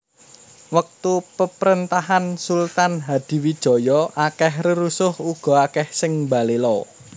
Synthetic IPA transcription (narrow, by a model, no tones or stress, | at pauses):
wək̚t̪upəpɾənt̪aɦansult̪anɦad̪̥i̤wid̥ʒ̥ɔ̤jɔʔakɛhrəɾusʊhuɡ̥ɔ̤akɛhsɪŋmbalelɔ